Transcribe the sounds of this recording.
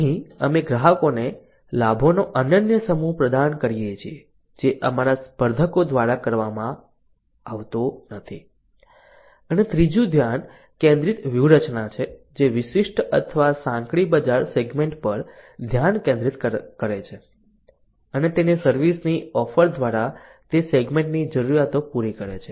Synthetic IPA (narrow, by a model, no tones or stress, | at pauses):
əɦĩəmeɡɾaɦəkone | labʱonoʔənənjəsəmuɦpɾəd̪ankəɾijet͡ʃʰie | d͡ʒeʔəmaɾaspəɾd̪ʱəkod̪ʋaɾakəɾʋamã | aʋt̪onət̪ʰḭ | ənet̪ɾid͡ʒũd̪ʱjan | kẽnd̪ɾit̪ʋjuɾət͡ʃnat͡ʃʰed͡ʒeʋɪʃiʃʈə̰t̪ʰəʋasãŋkɭibəd͡ʒaɾseɡmẽɳʈpəɾd̪ʱjankẽnd̪ɾit̪kəɾet͡ʃʰe | ənet̪enesəɾʋisniɔfəɾd̪ʱʋaɾat̪eseɡmẽɳʈnid͡ʒəɾuɾjat̪opuɾikəɾḛt͡ʃʰe